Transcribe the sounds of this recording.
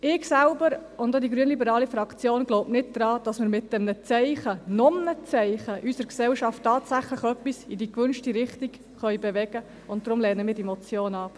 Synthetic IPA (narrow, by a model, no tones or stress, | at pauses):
ɪːɡsælbəɾʊndodiɡɾyənlibəɾɑːlifɾɑkt͡sjoːnɡ̥lowpnɪt̚d̥ɾɑːd̥ɑsmɪɾmɪt̚d̥ɛmnət͡sɛɪχənɔmnət͡sɛɪχəʔysəɾksɛwʃɑftːɑːtsæχləχœpːisidikʋʏnʃtiɾɪχtik | χœʏbɛʋɛɡ̥ə | ʊntd̥ɾʊmlɛːnəmɪːdɛmɔt͡sjoːnɑp